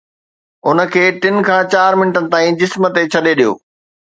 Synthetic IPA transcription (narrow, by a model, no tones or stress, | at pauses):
ʊnə̆kʰeːʈɪn̆kʰãːt͡ɕaːɾmɪnəʈənɪ̆t̪aːĩd͡ʑɪsmə̆t̪et͡ɕʰɐɗeɗijo̰ː